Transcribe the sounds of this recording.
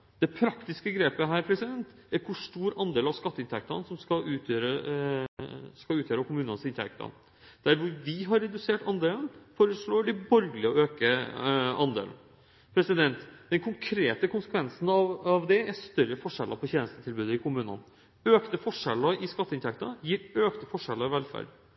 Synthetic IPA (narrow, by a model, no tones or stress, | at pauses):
d̪̥ɛpʰɾɑkt̪ɪskəɡɾeːpəɦæːɾpʰɾɛsɪd̪ɛnt̪ | æɾkʰʊʂʈuːɾɑnd̪eːlɑʋskɑt̪ːəɪnt̪ʰɛk̚t̪ɑnsɔmskɑʉːt̪ʰjøːɾə | skɑʉːt̪jøːɾəkʊmʉːnənsɪnt̪ʰɛ̰k̚t̪ʰɑ̰n | d̪̥æɾʋʊɾʋɪɦɑɾɛd̪ʉseːʈɑnd̪eːln̩foːɾəʂɭoːɖɪbɔɾɡlɪɔøːkəʔɑnd̪ḛːln̩ | pʰɾɛsɪd̪ɛnt̪d̪ɛnkʰʊŋkʰɾeːt̪əkʰʊnsə̥kʰʋɛnsn̩ɑʋɑʋd̪ɛæʂt̪œɾəfɔʂɛlʔə̰pʰɔçeːnəst̪ət̪ʰɪlbʉːd̪əɪkʰʊmʉːnə̰n | øːkt̪əfɔʂɛlːəɪskɑt̪ːəɪnt̪ʰɛkt̪ɑjiːɾøːkt̪əfɔʂɛlːəɾɪʋɛlfæ̰ɖ